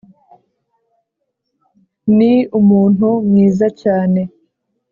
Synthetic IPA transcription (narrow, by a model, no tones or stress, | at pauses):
niumuːnhumŋiːzacaːne̞